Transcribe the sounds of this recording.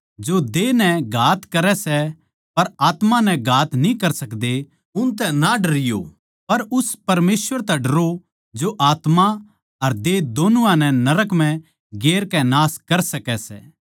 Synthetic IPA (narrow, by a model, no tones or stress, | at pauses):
d͡ʒod̪enɛɡʱaːt̪kɐɾɛsɛ | pɐɾaːt̪mãnɛ̃ɡʱaːt̪nĩkɐɾsɐkd̪e | ʊnt̪̬ɛnaɖɐɾɪjo̰ | pɐɾʊspɐɾmeːsʋəɾt̪ɛɖɐɾo | d͡ʒoʔaːt̪ma | ɐɾd̪ed̪oːnʊʋãnɛnɐɾəkm̤ɛ̃ | ɡeːɾkɛnaːskɐɾsɐkɛsɛ̰ː